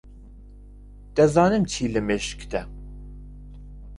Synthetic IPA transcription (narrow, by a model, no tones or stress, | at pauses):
t̪ɛzɑːnɨmt͡ʃʰiːlɨmeʃkt̪ɛ